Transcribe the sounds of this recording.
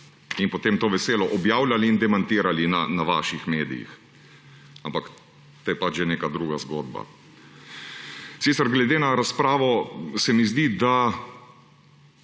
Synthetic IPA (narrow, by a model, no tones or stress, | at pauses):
inpɔt̪eːmt̪oːʋɛseːlɔʔɔbjaːwlʲaliːnd̪ɛmant̪iːɾalinanaʋa̰ːʃixmeːd̪ḭjḭx | ampak | t̪oːjɛpat͡ʃʒeneːkad̪ɾuːɡazɡo̰ːd̪ba̰ | siːsəɾɡlɛd̪eːnaɾaspɾaːʋɔsɛmizd̪id̪a